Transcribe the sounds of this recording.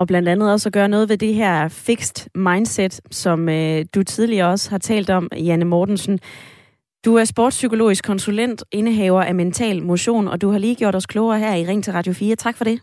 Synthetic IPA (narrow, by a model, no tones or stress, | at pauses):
ɒ̽b̥lænd̥ænð̩ˠɒ̽sɒɡ̥ɶɐnɔ̽ːðˠʋe̝d̥e̝ɦæɐ̰fe̝ɡ̥sd̥mɑ̈ɪnd̥sed̥sɒ̽mød̥ut͡sʰið̞ˠliɐɒ̽shɑ̈t͡sʰɛ̰ːld̥ɒ̽mjænəmɒːd̥n̩sn̩ | d̥uæɐsb̥oːd̥sykʰolo̝̰ːisɡ̥kʰɒ̽nsulen̰d̥e̝nəɦɛʊɐʔæment͡sʰɛ̰ːlmo̝ɕo̝̰ːnɒ̽d̥uhɑ̈liːɡ̥jo̝ɐ̰ɾ̥ɒ̽skʰlɔʊɐɦæɐ̰iʁeŋ̰t͡sʰe̝ʁɑ̈d̥jo̝fiːɐt͡sʰɑ̈ɡ̥fɒ̽ɾe̝